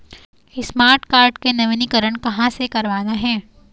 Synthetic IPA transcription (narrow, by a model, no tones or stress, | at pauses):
ɪsmaːɾʈkaːɾɖkenɐʋɪnikəɾəɳkɐɦãsekɐɾʋaːnaɦɛ̃ː